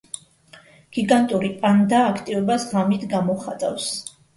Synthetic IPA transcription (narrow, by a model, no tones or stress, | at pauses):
ɡ̥iɡant̪ʼuɾipʼand̪aːkʰt̪ʼivɔbasʁamit̪ʰɡamɔχa̰t̪ʼa̰fs